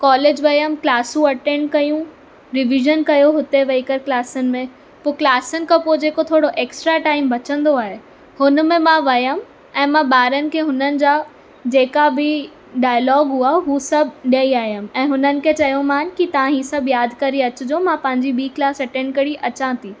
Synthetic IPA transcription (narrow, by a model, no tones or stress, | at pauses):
kɔːleːd͡ʑʋɐjəmklaːsũɐʈẽːɳɖ̚kɐjũ | ɾɪʋɪʒənkɐjoɦʊt̪eʋɐikəɾklaːsənɪ̆mẽ | poːklaːsənɪ̆kãpoːd͡ʑeːkot̪ʰoːɽoʔeːksʈɾaʈaːɪmbɐt͡ɕə̃nd̪oaːɦe | hʊnmẽmãʋɐjəm | ɛ̃ːmãɓaːɾənɪ̆kʰeːɦʊnənɪ̆d͡ʑaː | d͡ʑeːkabɪ | ɖaːɪlɔːɡɦuaɦuːsɐbʱɗijəiaːɦijəmɛ̃ːɦʊnənɪ̆kʰet͡ɕɐjõmãːnkit̪ɐʋãɦĩːsɐbʱjaːd̪ʱkɐɾiɐt͡ɕʊd͡ʑomãpɐ̃ɦɪ̃ɲd͡ʑibiːklaːsɐʈẽːɳɖkɐɾiʔɐt͡ɕãt̪ʰiː